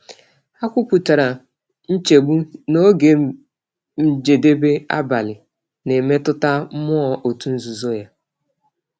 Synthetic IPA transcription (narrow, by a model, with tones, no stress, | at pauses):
a˦kʷʊ˦kʷu˨ta˨ɾa˨ | n̩˦t͡ʃe˨ɡ͡bu˦no˦ɡe˨ | m̩˦d͡ʒe˨de˦be˦a̰˦ba˨lɪ˨ | ne˨me˦tʊ˦ta˦m̩˦mɔ˦ɔ˨ʔo˨tu˦n̩˦zu˨zo˦ja˦